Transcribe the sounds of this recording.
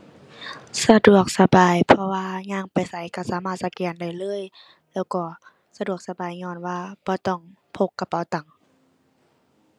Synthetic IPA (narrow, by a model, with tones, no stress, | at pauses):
sa˧du˨˩ək̚sa˧baː˨˩jpʰɔ˧waː˧ɲaː˧˥˨ŋpa˨jsa˨˦jka˧˩saː˨˦maː˧˩t̪̚sa˧kɛː˨˩nda˧˩jlɤː˧˥˨j | lɛː˧˩wkɔː˧˩ | sa˧du˨˩ək̚sa˧baː˨˩jɲɔː˧˩˨nwaː˧b̥ɔː˧˦t̪ɔː˧˩ŋpʰo˧˨kːa˧˩pa˨˦wt̪a˨˩ŋ